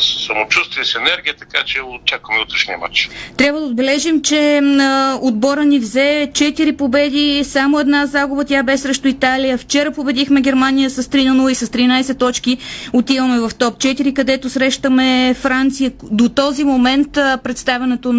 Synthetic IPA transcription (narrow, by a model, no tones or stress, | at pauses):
ssɐmot͡ʃust̪viəsɛnɛɾɡʲiət̪ɐka̰t͡ʃɛot͡ʃakvəmɛut̪ɾɛʃniə̰ma̰t͡ʃt̪ɾʲabvəd̪od̪bɛlɛʒimt͡ʃɛ | od̪̚bɔɾənivzɛt͡ʃɛt̪iɾipobɛd̪isamoɛd̪nazaɡʊbət̪ʲabɛʃsɾɛʃt̪ʊit̪alijəft͡ʃɛɾəpobɛd̪ixmɛɡʲɛɾmanijəsɐst̪ɾinɐnulˠisəst̪ɾinajsɛt̪ːɔt͡ʃk̟iot̪ivəmɛvɐft̪ɔp̚t͡ʃɛt̪iɾikɐd̪ɛt̪osɾɛʃt̪əmɛfɾant̪sijəd̪ot̪ɔzimomɛnt̪pɾɛt̪st̪avʲɐnɛt̪o